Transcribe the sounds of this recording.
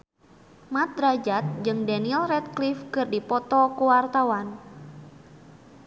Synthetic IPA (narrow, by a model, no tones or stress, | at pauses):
mat̪̚ɾad͡ʒat̪̚d͡ʒɨŋdanilrɛt̪̚klifkɨrdipɔt̪ɔkuwart̪awan